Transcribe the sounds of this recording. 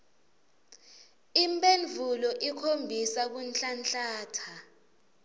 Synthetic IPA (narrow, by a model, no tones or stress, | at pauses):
impʼenvʱulɔʔikʰombʱisak̬unt͡ɬant͡ɬaːtʰa